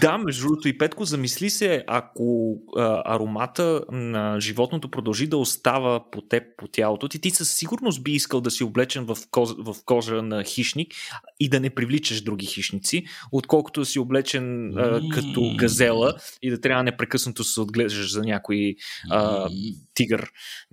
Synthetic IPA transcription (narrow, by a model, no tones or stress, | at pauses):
d̪amɛʒd̪uɾot̪oipɛt̪kozɐmislisɛɐkoəɐ̰ɾomat̪ənɐʒivɔt̪not̪opɾod̪ɐlˠʒid̪ɐost̪avəpot̪ɛppot̪ʲjalˠot̪ot̪it̪isəsːiɡʊɾnost̪̚biiskəlˠd̪ɐsioblɛt͡ʃɛnvɐfkɔvɐfkɔʒənɐxiʃnikid̪ɐnɛpɾivlit͡ʃəʃd̪ɾuɡ̟ixiʃnit̪siot̪kɔlˠko̥t̪od̪ɐsioblɛt͡ʃɛnəkɐt̪ɔɡɐzɛlˠəid̪ɐt̪ɾʲavənɛpɾɛkɤsnɐt̪osɛod̪ɡlɛʒəʃzɐnʲakoiət̪iɡəɾ